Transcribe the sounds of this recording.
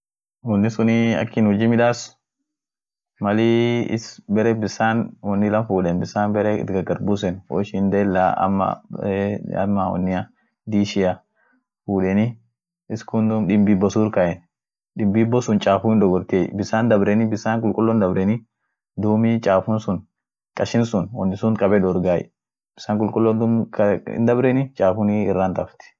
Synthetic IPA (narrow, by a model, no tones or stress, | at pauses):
wɔnːɪsʊniɐ̰kːɪnhɔd͡ʒiːmɪᶑaːs | mɐliɪ̰sbɛɾɛbɪsaːnwɔnːɪlɐmfuːᶑɛnbɪsaːnbɛɾɛɪ̰t̪ɡɐɡɐɾbuːs̬ɛnwɔ̰ʃɪnd̪ɛɛlːa̰ɐ̰mːɐ̰ | ɐ̰mːɐwɔ̰nːɪjɐ | d̪iːʃɪjɐ | fuːᶑɛnɪ | ɪskʊnd̪umɗɪmbibːɔsuːɾkɐʔɛn | ɗɪmbibːɔsʊnt͡ʃʼaːfʊɪnd̪ɔɡɔɾt̪ebɪsaːnd̪ɐbɾɛnɪbɪsaːŋkʼʊlkʼʊlːɔnd̪ɐbɾɛnɪ | d̪uːmit͡ʃʼaːfʊnsʊn | kʼɐʃɪnsʊnwɔ̰nːɪsʊŋkʼɐbɛd̪ɔɾɡaːj̰ | b̥ɪsaːŋkʼʊlkʼʊlːɔnd̪umknd̪ɐbɾɛnɪt͡ʃʼaːfʊniɪrːant̪ɐft̪ɪ̥